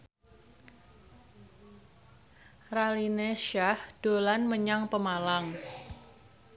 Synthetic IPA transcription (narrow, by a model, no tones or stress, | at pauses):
ralineʃahd̥o̤lanməɲaŋpəmalaŋ